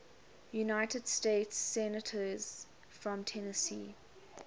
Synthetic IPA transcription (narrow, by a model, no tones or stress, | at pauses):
junaɪtəd̥steɪtsːɛnətʰəz̥ | fɹə̃mtʰɛnəsḭː